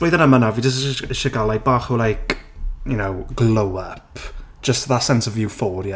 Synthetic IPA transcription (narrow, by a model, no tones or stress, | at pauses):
lojðənəmanaviːd͡ʒəs̬ɪʃaɡalˠabaːχəlajkjunowɡlˠowəpʰ | ʒ̥əstðasɛnsɔvjufɔːɾj